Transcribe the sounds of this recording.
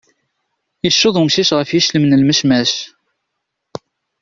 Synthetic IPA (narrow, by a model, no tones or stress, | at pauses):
jəʃːʊðˤumʃiʃʁəfjiʃləmnəlməʃmæʃ